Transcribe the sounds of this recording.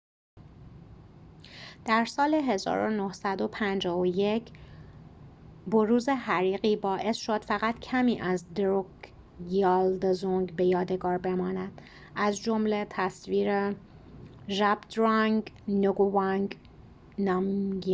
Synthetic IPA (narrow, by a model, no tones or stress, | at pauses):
d̪̥æɾsɒːle̞ɦe̞zɒ̰ːɾonohsæd̪o̞pʰænd͡ʒɒːvoje̞cʰ | boɾuːze̞ɦæɾiːɣiːbɒːʔe̞sʃo̞d̪̥fæɣæt̪cʰæmiːʔæzd̪ɾok | ɒːld̪zuŋɡbe̞jɒːd̪e̞ɡɒːɾbe̞mɒːnæd̪̥ | ʔæzd͡ʒo̞mlet̪ʰæsviːɾe | ʒæbd̪ɾɑŋɡnoɡovɑŋɡ | nɒmɡ